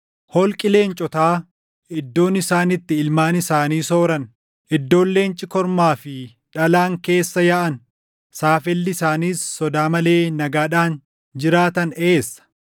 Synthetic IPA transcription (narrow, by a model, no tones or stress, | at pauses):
hɔlkʼɪle̞ːnt͡ʃʼɔt̪aː | ɪd̪ːo̞ːnɪsaːnɪt̪ːɪɪlmaːnɪsaːniːso̞ːɾɐn | ɪd̪ːo̞ːlːe̞ːnt͡ʃʼɪkɔɾmaːfɪ | ᶑɐlaːŋke̞ːsːɐjaʔɐn | saːfɛlːɪɪsaːniːsːɔd̪aːmɐle̞ːnɐɡaːᶑaːn | d͡ʒɪɾaːt̪ɐneeːsːɐ̥